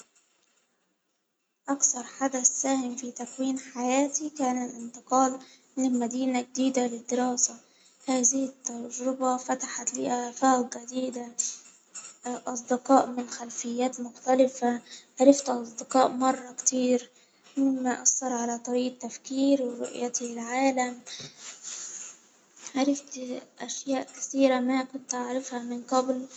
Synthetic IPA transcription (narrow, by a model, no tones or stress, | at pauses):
ʔakθɑɾˤħad̪asːaːhɪmfiːt̪akwiːnħajaːt̪ikaːnalʔɪnt̪ɨqɑːl | mɪnɪlmad̪iːnaɡ̚d̪iːd̪alɪd̪ːɪɾɑːsa | haːzɪhɪt̪ːɑɾˤd͡ʒɾɪbafat̪aħat̪liːʔaːfaːqɡɪd̪iːd̪a | ʔɑsˤd̪ɪqɑːʔmɪnxalfɪjːaːt̪mʊxt̪alɪfaʕaɾˤɪft̪ʔɑsˤd̪ɪqɑːʔmɑrˤːɑkt̪iːɾ | mɪmːaʔasːɑɾˤʕalat̪ˤɑɾiːʔt̪ːafkiːɾwɪɾʊ̰ʔjat̪ɪlʕaːlam | ʕaɾˤɪft̪ʔaʃjaːʔkɪ̥θiːɾamakʊnt̪ʔaʕɾˤɪfhamɪnqɑbl